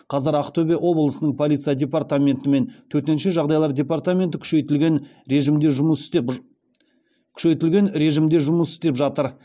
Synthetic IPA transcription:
qʰɑzəɾɑqt̪ʰobeʔwo̞blˠəsənəɴpʰo̞lʲit̪sijad̪ʲe̞part̪amʲe̞nt̪ɪme̞nt̪ʰɵt̪e̞nʃe̞ʒɑʁd̪ɑjlˠɑɾdʲe̞part̪amʲe̞nt̪ɪkʰʲʏ̥ʃeɪlɡʲenɾeʒɪmd̪e̞ʒʊməsɪ̥t̪e | kʲʰʏ̥ʃe̞jt̪ɪlɡʲe̞nɾe̞ʒɪmd̪e̞ʒʊməsɪ̥st̪epʒɑt̪əɾ

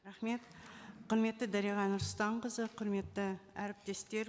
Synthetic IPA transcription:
ɾaχme̞t̪qʰʊɾme̞t̪ːɪd̪æɾijʁɑnʊɾst̪ɑɴqəzəqʰʊɾme̞t̪ːɪæɾɪp̚t̪e̞st̪e̞ɾ

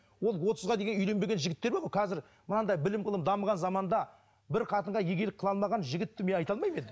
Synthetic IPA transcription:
wo̞lˠwot̪əzʁɑd̪e̞ɡʲenʏjle̞nbe̞ɡʲenʒɪɡʲɪt̪ːe̞ɾbeboqʰɑzɪɾ | mənɑd̪ɑjbɪlɪmqəlˠəpd̪ɑməʁɑnzɑmɑnd̪ɑ | bɪɾqʰɑt̪əɴʁɑjeɡʲe̞lɪk̚qʰːəlˠɑlˠmɑʁɑnʒɪɡʲɪt̪ːɪmeɑjt̪ɑlˠmɑjme̞d̪ɪ

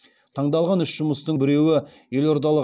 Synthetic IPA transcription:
t̪ʰɑɴd̪ɑlˠʁɑnʏʃʒ̥ʊməst̪əɴbɪɾe̞wɪ | je̞lo̞ɾd̪ɑlˠə

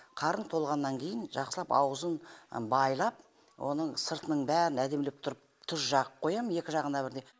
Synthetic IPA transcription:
qʰɑɾənt̪ʰo̞lˠʁɑnːɑŋkʲʰe̞jɪnʒɑqsəlˠɑpɑ̰wəzənbɑjlˠɑp̚ | wʔo̞̰nəɴsəɾt̪ənəɴbæɾɪnæd̪e̞mlep̚t̪ʰʊɾəp̚t̪ʰʊsʒɑʁəpʰo̞jɑməne̞kʲɪʒɑʁənɑbɪɾd̪e̞

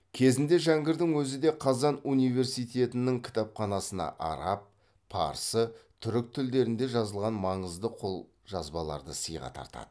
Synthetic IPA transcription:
kʲʰe̞zɪnd̪e̞ʒæŋɡʲɪɾd̪ɪŋwɵzɪd̪e̞qʰɑzɑnunijve̞ɾsijt̪ʲe̞t̪ɪnɪŋkʲʰɪ̥t̪ɑpχɑnɑsənɑ̰ʔɑ̰ɾɑp̚ːʰ | ɑ̰ɾsət̪ʰʏɾɪk̚t̪ʰʏld̪e̞ɾɪnd̪e̞ʒɑzəlˠʁɑnmɑɴəzd̪əqʰo̞lˠ | ʒɑzbɑlˠɑ̰ɾd̪əsəjʁɑ̰t̪ʰɑ̰ɾt̪ɑ̰d̪̥ə

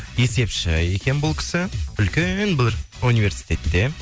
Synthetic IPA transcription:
je̞se̞pʃɪ̰je̞kʲe̞nbʊlˠkʲʰɪ̥sɪʏlkʲenbɪunijvʲe̞ɾsi̥jt̪e̞t̪ːe̞

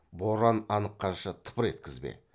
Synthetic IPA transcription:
boɾɑnɑnəqːɑʃət̪ʰə̥pəɾe̞̰t̪̚kʲɪzbḛ

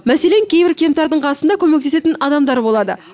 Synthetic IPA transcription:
mæse̞le̞ŋkʲʰejbɪɾkʲʰe̞mt̪ɑɾd̪əɴqʰɑsənd̪ɑkʲʰɵmek̚t̪e̞se̞t̪ɪnɑd̪ɑmd̪ɑɾbo̞lˠɑd̪ə

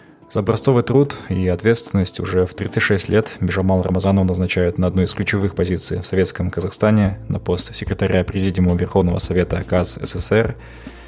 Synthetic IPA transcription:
z̥əːbɾɐsso̞vɨjt̪ɾut̪iɐt̪vʲe̞t̪st̪vʲɪnːəsʲtʲʊʐɛft̪ɾʲḭt̪sɨtʲʂɛsʲtʲlʲʔe̞t̪mʲɪʐɐmalˠrə̰mɐzanəvənəznɐt͡ɕæjʊt̪nɐɐd̪nuɪsklʲʉt͡ɕɪvɨxpɐzʲit̪sɨ̰jfsɐvʲe̞t̪skəmkəzɐxst̪anʲɪnʔɐpo̞st̪sʲɪkɾʲɪt̪ɐɾʲʔapɾʲɪzʲidʲɪməvʲɪrxo̞vnəvə̰sɐvʲe̞t̪əkasɛ̰sɛsɛr

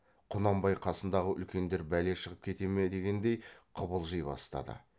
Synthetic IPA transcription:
qʰʊnɑmbɑjqʰɑsənd̪ɑʁəʔʏ̰lkʲe̞nd̪e̞ɾbæle̞ʃəʁəp̚kʲʰe̞t̪e̞med̪e̞ɡʲe̞nd̪e̞jqʰʊbəlˠʒəjbɑ̰st̪ɑ̰d̪ə̰

